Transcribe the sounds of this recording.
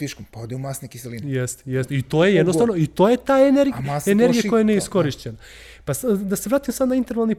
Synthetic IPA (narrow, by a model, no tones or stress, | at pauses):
iʃkompaod̪eumasnekiselinjest̪jest̪it̪oːjejed̪nost̪aʋnoit̪ojet̪aːeneɾɡaeneɾɡijako̞jeenijeisko̞ɾiʃt͡ɕena | pasd̪aseʋɾaːt̪imsad̪naint̪e̞ɾʋalˠni